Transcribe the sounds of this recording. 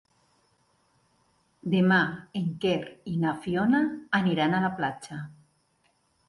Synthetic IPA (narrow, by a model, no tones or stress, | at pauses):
d̪emaeŋkeɾinafjonaːniɾanalaplat͡ʃa